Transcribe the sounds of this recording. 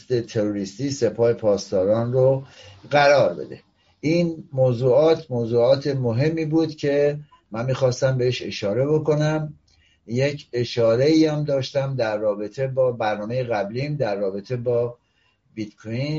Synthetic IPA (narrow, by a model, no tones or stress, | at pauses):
st̪e̞t̪ʰe̞ɾoɾiːst̪iːse̞pʰɒːhe̞pʰɒːst̪ɒːɾɒːnroɢæɾɒːɾbe̞̰d̪ḛ | ʔiːnmoːzuːɒːt̪ʰmoːzuːɒːt̪ʰe̞moɦe̞mːiːbuːd̪̥cʰe̞ | mænmːiːxɒːst̪æmbe̞eʃe̞ʃɒːɾe̞bo̞ko̞næm | je̞cʰe̞ʃɒːɾe̞iːæmd̪ɒːʃt̪æmd̪æɾːɒːbe̞t̪ʰe̞bɒːbæɾnɒːme̞jeɣæblimd̪æɾːɒːbe̞t̪ʰe̞bɒː | bit̪kʰojin